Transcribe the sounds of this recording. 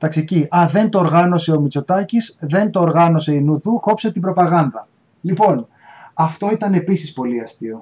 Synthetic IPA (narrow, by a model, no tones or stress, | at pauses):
t̪ɐksiciɐðe̞nt̪o̞ːɾɣɐno̞se̞o̞mit͡so̞t̪ɐcisðe̞nt̪o̞ːɾɣɐno̞se̞inuðuko̞pse̞t̪ibɾo̞pɐɣɐnd̪ɐ | lipo̞n | ɐft̪o̞it̪ɐne̞pisispo̞liɐst̪io̞